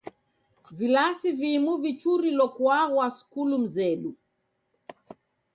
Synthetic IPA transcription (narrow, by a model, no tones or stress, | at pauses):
vilasivimuvit͡ʃuɾilɔkwaɣwasu̥kulum̩zɛɗu